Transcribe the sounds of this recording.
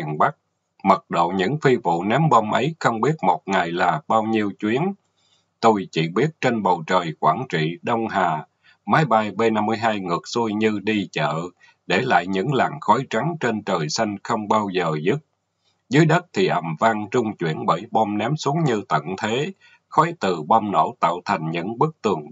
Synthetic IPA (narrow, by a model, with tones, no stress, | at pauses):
i˨˩ənɓa˦˥k̚ | mə˨˩t̚ɗo̰˧˨ɲɨ̰˧˥ŋfi˧vṵ˧˨nɛ˨˦mɓo˧mʔə˨˦jxə˧wŋ͡mɓi˦˥ət̚mo˨˩t̚ŋa˨˩jlaː˨˩ɓaː˧wɲi˧əwt͡ɕwi˨˦ən | t̪o˧jt͡ɕḭ˧˩ɓi˦˥ət̚t͡ɕe˧nɓə˨˩wt͡ɕəː˨˩jkwaː˧˩nt͡ɕḭ˧˨ɗə˧wŋ͡mɦaː˨˩ | maː˨˦jɓa˧jɓe˧na˧mːɨ˧əjɦaː˧jŋɨ˨˩ək̚su˧jɲɨ˧ɗi˧t͡ɕə̰ː˧˨ | ɗe˧˩la̰ː˧˨jɲɨ̰˧˥ŋla˨˩ŋxɔ˨˦jt͡ɕa˨˦ŋt͡ɕe˧nt͡ɕəː˨˩jsa˧jŋ̟xə˧wŋ͡mɓaː˧wzəː˨˩zɨ˦˥t̚ | zɨː˨˦əjɗə˦˥t̚t̪ʰi˨˩ʔə˨˩mva˧ŋt͡ɕʊ˧ŋ͡mt͡ɕwḭ˧˩ənɓəː˧˩jɓɔ˧mnɛ˨˦msu˨˦əŋɲɨ˧t̪ə̰˧˨nt̪ʰe˨˦ | xɔ˨˦jt̪ɨ˨˩ɓɔ˧mno̰˧˩˥t̪a̰ː˧˨wt̪ʰa˨˩ŋ̟ɲɨ̰˧˥ŋɓɨ˦˥k̚t̪ɨ˨˩əŋ